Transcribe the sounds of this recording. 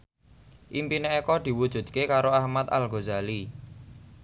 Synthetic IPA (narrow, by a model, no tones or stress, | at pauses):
ʔimpineekɔd̪̥i̤wud̥ʒ̥ṳd̪̚kekaɾoahmat̪a̰lɡozali